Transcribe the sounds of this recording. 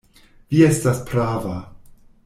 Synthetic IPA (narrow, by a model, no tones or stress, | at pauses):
vie̞staspɾava